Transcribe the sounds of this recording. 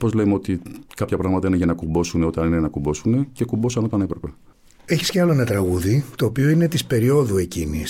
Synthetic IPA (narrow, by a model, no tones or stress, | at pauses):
po̞zlemeo̞t̪ikɐpçɐpɾɐɣmɐt̪ɐineʝɐnɐkumbo̞suneo̞t̪ɐninejɐnɐkumbo̞sune̞ce̞kubosɐno̞t̪ɐnepɾɐpe | e̞çisceɐloenɐt̪ɾɐɣuðit̪o̞ːpio̞ine̞t̪ispe̞ɾio̞ðue̞cinḭs